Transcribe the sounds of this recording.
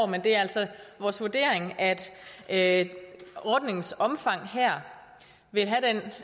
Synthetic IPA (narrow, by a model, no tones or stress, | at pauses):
mend̥e̝æɐæl̰sɒʋɒːsʋuɐd̥e̝̰ːɐ̰eŋæd̥ø | ɒd̥ne̝ŋsɒ̽mfɑ̈ŋ̰ɦæɐ̰ | ʋe̝lɦæd̥en